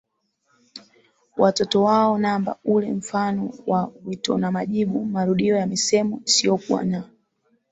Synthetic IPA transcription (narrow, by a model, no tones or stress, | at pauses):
watɔtɔwaɔnamba̰ulɛm̩fanɔwawitɔ̰namaʄiɓumaɾuɗiɔjamisɛmɔisiɔkuwa̰na